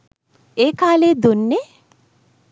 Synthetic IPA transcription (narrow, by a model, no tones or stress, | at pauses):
eːkaːled̪unːe